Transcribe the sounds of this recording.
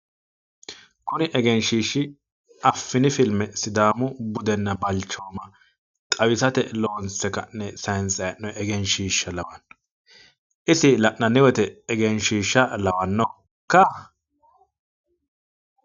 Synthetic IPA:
kʊnɪʔɛɡɛnʃiːʃːɪ | ɐfːɪnɪfɪlmɛsɪd̪aːmʊbʊd̪ɛnːɐbɐlt͡ʃːoːmɐ | t̪ʼɐwɪsɐt̪ɛloːnsɛkɐ̰nːɛsɐnsɐjnːɔɛɡɛnʃiːʃːɐlɐwɐnːɔ̥ | ʔɪsɪlɐʔnɐnɪwɛt̪ɛːɡɛnʃiːʃːɐlɐwɐnːɔ | kːɐ

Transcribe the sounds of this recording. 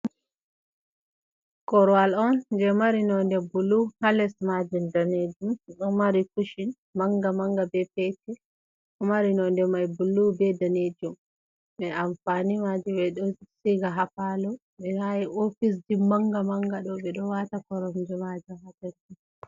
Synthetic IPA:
kɔɾɔwalɔnd͡ʒɛmaɾinɔndɛbulːuhalɛsmad͡ʒindaned͡ʒumɗɔmaɾikuʃin | maŋɡamaŋɡabɛpɛtɛ | ɔmaɾinɔndɛmajbulːubɛdaned͡ʒum | ɓɛamfanimad͡ʒiɓɛɗɔsiɡaɦapalɔ | ɓɛhajiʔofis̬dimaŋɡamaŋɡaɗɔɓɛɗɔwatakɔɾɔmd͡ʒɛmad͡ʒɔhatɛɾɔ

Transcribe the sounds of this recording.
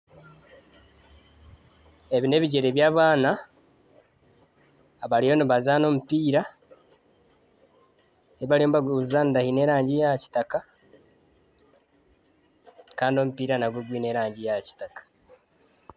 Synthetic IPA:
e̞βine̞βiɟe̞ɾeβjaːβaːna | βalijo̞niβazaːno̞ːmupiːɾa | eβaɾijombaɡuzizaːndahine̞ɾaːɲɟijaci̥taka | kaːndio̞mupiːɾanaɡwoɡwiːne̞ːɾaːɲɟijaci̥takḁ

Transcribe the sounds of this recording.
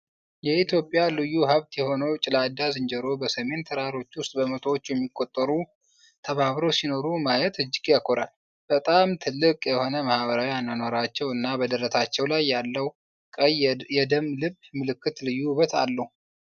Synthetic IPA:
jɛit̪jo̞pʼːjalɨjːuɦəβt̪jɛho̞nəwt͡ʃʼɪlad̪azɨnd͡ʒɛɾo̞bəsəme̞nt̪ʰəɾaɾo̞t͡ʃːwʊst̪ʼbəmət̪ʰowot͡ʃːjɛmːikʼːo̞t̪ʼːəɾu | t̪ʰəβaβɾowsino̞ɾumajɛt̪ɨd͡ʒːɪɡjakʰʼːoɾal | b̥ət̪ʼamt̪ʰɨlːɨkʼjɛho̞nəmahβəɾawianːanoɾat͡ʃːɛwɨnːabəd̪əɾət̪ʰat͡ʃːɛwlajːalːəw | kʼəjɛd̪əmlɨβmɨlɨkːɨt̪lɨjːuβət̪ʰa̰lːəhu

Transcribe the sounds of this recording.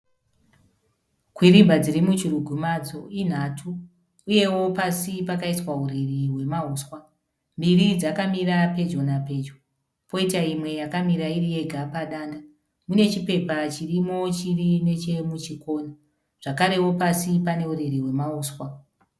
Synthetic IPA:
kwiɾibʱad͡ziɾimut͡ʃiɾuɡʱumad͡zo̞in̤atʰuː | je̞wo̞pasipakaiswauɾiriɦwe̞mauːswa | mbiɾid͡zakamiɾape̞d͡ʒo̞nape̞d͡ʒo | po̞itaimwe̞jakamiɾairije̞ɡʱapaɗaːnda | mune̞t͡ʃipe̞pat͡ʃirimo̞t͡ʃirine̞t͡ʃe̞mut͡ʃiko̞ːna | ʐ̥akaɾe̞wo̞pasipane̞uɾiriwe̞mauːswa

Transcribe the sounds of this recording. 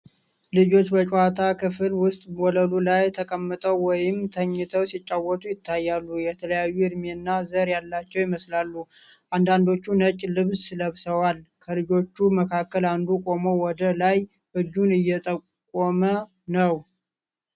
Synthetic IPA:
lɨd͡ʒo̞t͡ʃːbət͡ʃʼat̪ʰakʰɨfɨlwʊst̪ʼwɔləlulajt̪ʰəkʼəmːɨt̪ʼəwwɔjɪmt̪ʰəɲːɨt̪ʰəwsit͡ʃʼːawɔt̪ʼujɪt̪ʰːajːalːujɛt̪ʰələjajːuɨd̪menːazəɾjalːat͡ʃːɛwjɪməslalːu | ʔand̪and̪o̞t͡ʃːunət͡ʃʼlɨβsləβsəwalkʰəlɨd͡ʒo̞t͡ʃːuməkʰakːəland̪ukʼo̞mowɔd̪əlaj | hɨd͡ʒːunɨjːɛt̪ʼəkʼɔmə | nəw

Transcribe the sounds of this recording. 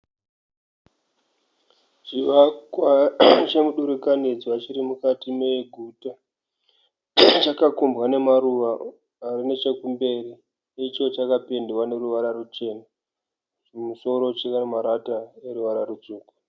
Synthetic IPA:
ʐiʋakwat͡ʃe̞muɗuɾukaned͡ziʋat͡ʃiɾimukatimeɡʱuta | t͡ʃakakumbwane̞maruʋaː | rine̞t͡ʃe̞kumbe̞ːri | it͡ʃo̞t͡ʃakape̞ndewane̞ruʋaɾarut͡ʃe̞ːna | ʐimuso̞ɾo̞t͡ʃekamaɾataeɾuʋaɾarud͡zuːko̥

